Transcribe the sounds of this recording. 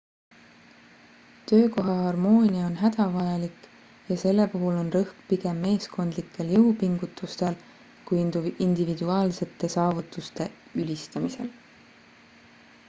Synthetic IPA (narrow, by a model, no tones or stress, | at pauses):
t̪ø̞ːko̞ɦɑɦɑrmo̞ːnʲiɑo̞nɦæd̪̥ɑvɑjɑlikˑ | jɑse̞lːe̞puɦulo̞nrɤhkpiɡe̞mːe̞ːsko̞nd̪likʰːˑe̞ljɤwpiŋɡ̥ut̪ːˑust̪e̞l | kujind̪̥ivid̪uɑːlse̞t̪ːˑe̞sɑːvut̪ːˑust̪e̞ | ylʲist̪ɑmise̞̰l